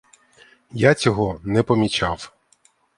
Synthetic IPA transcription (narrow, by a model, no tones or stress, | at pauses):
jat͡sʲɔɦɔnɛpɔmʲit͡ʃaw